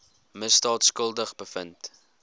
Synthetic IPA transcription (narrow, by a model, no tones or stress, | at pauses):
məsdɑːtskəlˠdəχbəfənt